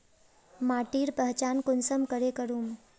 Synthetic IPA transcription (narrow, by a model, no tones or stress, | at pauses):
maʈiːɾpəɦt͡ʃankʊnsəmkəɾekəɾuːm